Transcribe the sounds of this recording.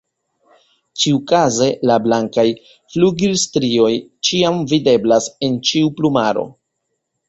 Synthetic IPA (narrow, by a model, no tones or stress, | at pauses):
t͡ʃiukaze̞lablaŋkaj | fluɡilstɾio̞jt͡ʃiamvide̞blase̞nt͡ʃiuplumaɾo̞̰